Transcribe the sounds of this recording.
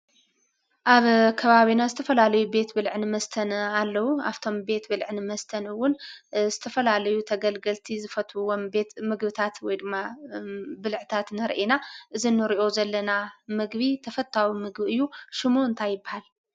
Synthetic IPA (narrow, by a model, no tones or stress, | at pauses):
ʔaβkʰɐβaβinazɨt̪ʰɐfɐlalɐjube̞t̪bɨlʕnɨmɐst̪ʰɐnalːɐwuaft̪ʰo̞mbe̞t̪bɨlʕnɨmɐst̪ʰɐnɨwːʊnzɨt̪ʰɐfɐlalɐjut̪ʰɐɡɐlɡɐlt̪ʰizɨfɐt̪ʰuwombe̞t̪mɨɡbɨt̪ʰat̪wɔjd̪ɨmːa | bɨlʕɨt̪ʰat̪nɐɾʔenaʔɨzinɨɾiʔo̞zɐlːɐnamɨɡβit̪ʰɐfɐt̪ʰːawimɨɡbiɨjːuʃɪmuɨnt̪ʰajːɪbːahal